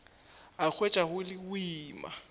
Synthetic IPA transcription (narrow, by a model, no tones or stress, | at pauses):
ak͡xʰwet͡ʃʼaɣʊlɪʊiːma̰